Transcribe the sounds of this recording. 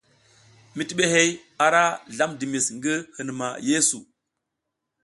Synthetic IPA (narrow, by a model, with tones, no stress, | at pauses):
mi˨˦ti˦ɓe˦ɦe˦j | a˨ɾa˦ɮa˦mdi˨mi˨sŋɡi˦hɨ˨n˨ma̰˨je˦su˨